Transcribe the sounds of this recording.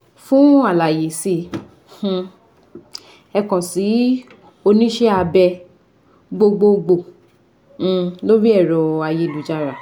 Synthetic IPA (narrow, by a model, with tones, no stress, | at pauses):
fũ˦a˦˨la˨je˨sĩ˧˨˧ | ɛ˧kɔ̃˨si˨˦ | o˧nĩ˦ʃe˦a˧bɛ˧ | ɡ͡bo˧ɡ͡bo˧ɡ͡bõ˧˨ | lo˦ɾi˦ɛ˦˨ɾɔ˨a˨˧je˨˧˨lu˨d͡ʒa˧˨ɾa˨